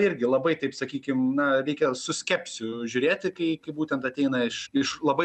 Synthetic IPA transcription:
ɪɾʲɡʲɪlˠɐbɐɪt̪ɐɪpsɐkʲiːkʲɪmnɐɾʲɛɪkʲɛsʊsʲkʲɛpʲsʲʊʒʲʊɾʲeːt̪ʲɪkɐɪkɐɪbuːt̪ʲɛnt̪ɐt̪ʲɛɪnɐɪʃɪʃlˠɐbɐɪ

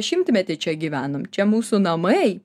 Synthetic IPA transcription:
ʃʲɪmʲt̪ʲmʲɛt̪ʲɪt͡ʃʲɛɡʲiːʋʲæːnomt͡ʃʲɛmuːsunɐmɐ

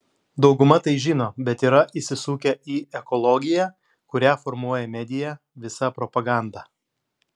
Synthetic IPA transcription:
d̪ɒʊɡʊmɐt̪ɐɪʒʲɪːnoːbʲɛt̪iːɾɐʔiːsʲɪsuːkʲɛiːɛkɔlˠɔɡʲɪjæ | kʊɾʲæːfɔɾmuɔjɛmʲɛd̪ʲɪjæ | ʋʲɪsɐpɾɔpɐɡɑˑnd̪ɑː

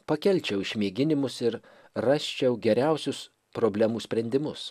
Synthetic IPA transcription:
pɐkʲɛlʲt͡ʃʲɛʊɪʃʲmʲiːɡʲɪnʲɪmʊsɪɾ | rɑsʲt͡ʃʲɛʊɡʲɛɾʲɛʊsʲʊs | pɾoːbʲlʲɛmuːsʲpʲɾʲɛnʲd̪ʲɪmʊs

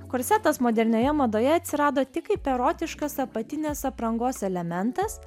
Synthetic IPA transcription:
koːɾʲsʲɛt̪ɐsmoːd̪ʲɛɾʲnʲoːjɛmɐd̪oːjɛɐt̪ʲsʲɪɾɑːd̪oːt̪ʲɪkɐɪpʲɛɾoːt̪ʲɪʃkɐsɐpɐt̪ʲɪnʲɛːsɐpɾɐŋɡoːsɛlʲɛmʲɛnt̪ɐs

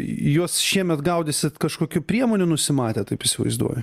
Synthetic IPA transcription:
juɔsʃʲiɛmʲɛt̪ɡɐʊd̪ʲesʲɪt̪kɐʃkoːkʲʊpʲɾʲiɛmoːnʲʊnʊsʲɪmɑːt̪ʲeːt̪ɐɪpɪsʲɪʋɐ̰ɪzd̪ṵɔjɛ

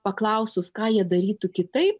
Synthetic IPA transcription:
pɐklˠɐʊsʲʊskɑːjiɛd̪ɐɾʲiːt̪ʊkʲɪt̪ɐɪp

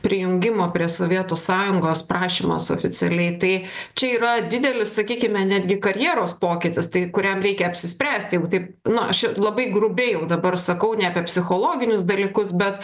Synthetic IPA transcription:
pʲɾʲɪjʊŋʲɡʲɪmoːpʲɾʲiɛsoːʋʲiɛt̪oːsɑːjʊŋɡoːspɾɑːʃʲiːmo̰ːso̰ːfʲɪt͡s̪ʲɛlʲɛɪt̪ɐɪt͡ʃʲɛiːɾɐd̪ʲɪd̪ʲɛlʲɪssɐkʲiːkʲɪmʲɛnʲæːd̪ʲɡʲɪkɐɾʲjiːɾoːspoːkʲɪt̪ʲɪst̪ɐɪkʊɾʲɛmɾʲɛɪkʲɛɐpʲsʲɪsʲpʲɾʲæːsʲt̪ʲjɛɡʊt̪ɐɪp | nʊɐʃɛlˠɐbɐɪɡɾʊbʲɛɪjɛʊd̪ɐbɐrsɐkɐʊnʲɛɐpʲɛpʲsʲɪxoːlˠoːɡʲɪnʲʊs̬d̪ɐlʲiːkʊsbʲɛt̪

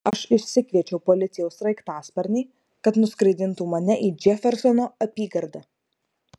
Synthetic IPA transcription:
ɐʃɪʃʲsʲɪkʲʋʲiɛt͡ʃʲɛʊpɔlʲɪt̪sʲɪjɛʊsɾɐɪkt̪ɑːspɐɾʲnʲɛɪ | kɐt̪nʊskɾɐɪd̪ʲɪnt̪uːmɐnʲɛʔiːd͡ʒʲɛfʲɛɾsɔnoːɐpʲiːɡɐɾd̪ɐ

